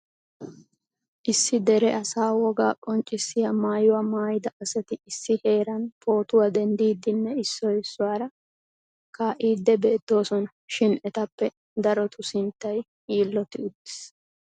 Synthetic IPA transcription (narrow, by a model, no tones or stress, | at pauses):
ʔɪsːɪd̪ɛɾɛʔɐsaːwɔɡaːkʼɔnt͡ʃʼːɪsːɪjɐmaːjʊwamaːjɪd̪ɐɐsɛt̪ɪɪsːɪhe̞ːɾɐnpo̞ːt̪ʊwad̪ɛnd̪iːd̪ɪnːɛɪsːɔjɪsːʊwaːɾɐ | kaːʔiːd̪ːɛbe̞ːt̪ːo̞ːsɔnɐ | ʃɪnʔɛt̪ɐpːɛ | d̪ɐɾɔt̪ʰʊsɪnt̪ːɐj | iːlːɔt̪ɪʊt̪ːɪ̥s